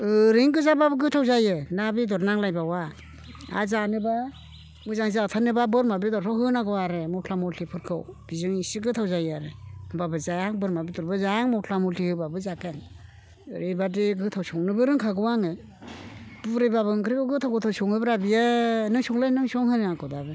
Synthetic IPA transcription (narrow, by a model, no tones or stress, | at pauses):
ɯɾiŋɡɯzababɯɡɯtʰawzajenabidɔɾnaŋlajbawa | a̰zanɯba | muzaŋzaatʰanɯbabɯɾmabidɔɾtʰɔɦɯnaɡɯwaɾemɔtʰlamɔlɬʰipʰɯɾkʰɯwb̥izɯŋisiɡɯt̪ʰawzajaɾeɯmbabɯzajaŋbɯɾmabidɔɾbɯzajaŋmɔwtʰlamulɬihɯbabɯzakeŋ̰ | ɾebadiɡɯtʰawsɔŋnɯbɯɾɯŋkʰaɡɯwaŋɯ | b̥uɾɯjbabɯŋkʰɯɾikɯwɡɯtʰawɡɯt̪ʰawsɔŋɯbɾabijenɯŋsɔŋlɯjnɯŋsɔŋhɯnɯakɔdabɯ